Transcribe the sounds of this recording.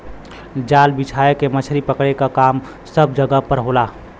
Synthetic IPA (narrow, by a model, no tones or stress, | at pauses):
d͡ʒaːlbɪt͡ʃʰaːjekemət͡ʃʰɾipəkɽekakaːm | səbd͡ʒəɡəpəɾɦoːlaː